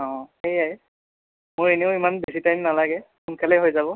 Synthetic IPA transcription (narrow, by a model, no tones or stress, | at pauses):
ɔ̃ejaj | mʊɹeneʊimanbesitajmnalaɡɛ | xunkʰalɛɦojzabɔ